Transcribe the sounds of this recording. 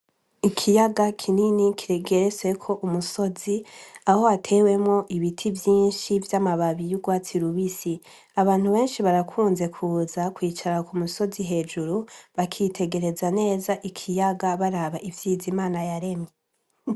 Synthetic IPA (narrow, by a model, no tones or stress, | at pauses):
ikʰijaɡakʰininikʰiɾeɡeɾeswe̞kʰo̞ʔumuso̞ziaho̞atʰe̞ːwe̞mŋo̞ʔiβitʰivjiːnʃivjamaβaβijuɡwaːt͡siɾuβisi | aβaːn̥huβe̞ːnʃiβaɾakʰuːnze̞kʰuːzakwiːt͡ʃaɾakumuso̞ziɦe̞ːd͡ʒuɾuβakʰitʰe̞ɡe̞ɾe̞zane̞ːzaʔikʰijaɡaβaɾaβaʔivjiːzimaːnajaɾe̞mɲe